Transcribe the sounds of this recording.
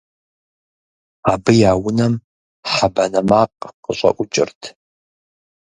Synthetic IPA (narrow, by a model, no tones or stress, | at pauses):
aːbɨjaːwʊnɐm | ħabɐnɐmaːqʼqəɕʷʼɐ̰ʔʷʊt͡ʃʼɪ̰rtʰ